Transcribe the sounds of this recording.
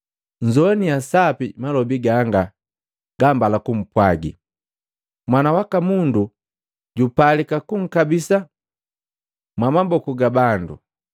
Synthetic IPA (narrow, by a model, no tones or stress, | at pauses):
ɲd͡ʒɔnijasapimalɔbiɡaŋɡa | ɡ̥ambalakum̩pwaɡḭ | mwanawakamundu | ɟupalikakuŋ̩kabisa | mwamabɔkuɡabandṵ